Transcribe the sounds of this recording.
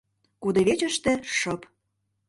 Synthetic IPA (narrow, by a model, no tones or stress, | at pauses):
kud̪ɤ̆βet͡ɕə̆ʃt̪ĕʃɤ̆p